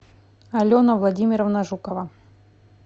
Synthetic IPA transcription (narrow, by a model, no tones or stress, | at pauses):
ɐlʲonɐvlˠadʲimʲɪɾəvnɐʐukəva